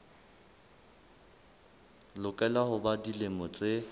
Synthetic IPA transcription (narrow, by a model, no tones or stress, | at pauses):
lʊkʼɛlahʊbadilemɔt͡sʼe